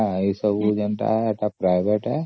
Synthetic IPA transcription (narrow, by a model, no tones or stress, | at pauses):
ãisəbud͡ʒənt̪a̰ɦɛaʈapɾaɪʋeʈɦɛ